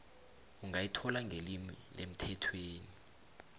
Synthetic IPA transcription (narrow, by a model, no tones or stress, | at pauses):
uŋɡʱajitʰɔlaŋɡʱelimilem̩tʰɛtʰweːni